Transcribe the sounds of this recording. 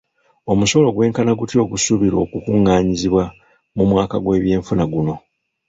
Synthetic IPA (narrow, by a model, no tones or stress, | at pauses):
o̞musolo̞ɡwe̞ːŋkanaɡutjo̞ːɡusuβiɾo̞ːkukuŋːaːɲiziβwa | mumwaːkaɡwe̞ːβje̞ːɱfunaɡuno̞